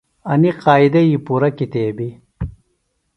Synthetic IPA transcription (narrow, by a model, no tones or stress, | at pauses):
ɐniqaːid̪ɐjipuːɾɐkit̪eːbi